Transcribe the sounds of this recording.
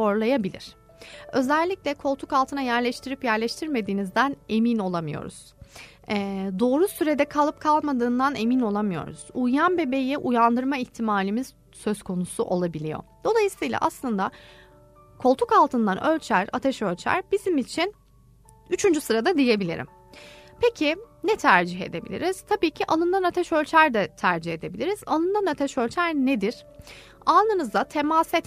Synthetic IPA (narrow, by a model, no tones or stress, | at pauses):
o̞ɾlˠajabilʲḭɾ̥ | ø̞zɛlʲːicʲlʲɛkʰo̞lˠt̪ʰukalˠt̪ʰɯnajæɾlʲɛʃt̪ʰiɾipjæɾlʲɛʃt̪ʰiɾme̞d̪iːnizd̪æne̞mino̞lˠamɯjo̞̰ɾṵz̥ | ɛd̪o̞ːɾusyɾe̞d̪ɛkʰalˠɯp̚kʰalˠmad̪ɯːnd̪ane̞mino̞lˠamɯjo̞̰ɾṵz̥ujanbe̞be̞jiʔujand̪ɯɾmaiçt̪ʰimaːlʲimiz̥ | sø̞zkʰo̞nusuʔo̞lˠabilʲijo̰d̪̥o̞lˠajɯsɯjlˠa̰ʔaslˠɯnd̪a | kʰo̞lˠt̪ʰukalˠt̪ʰɯnd̪anʔø̞lʲt͡ʃʰæɾa̰t̪ʰɛʃø̞lʲt͡ʃʰæ̰ɾb̥izimit͡ʃʰin | yt͡ʃʰynd͡ʒysɯɾad̪ad̪ije̞bilʲḭɾḭm | pʰe̞cʰɪnɛt̪ʰæɾd͡ʒiɦe̞̰d̪e̞bilʲḭɾiz̥t̪ʰabiːcʰiʔalˠɯnd̪anat̪ʰɛʃø̞lʲt͡ʃʰæɾd̪ɛt̪ʰæɾd͡ʒihe̞d̪e̞bilʲiɾizalˠɯnd̪anat̪ʰɛʃølʲt͡ʃʰæɾned̪iɾ̥ | anˠɯnɯzd̪at̪ʰemasɛt̪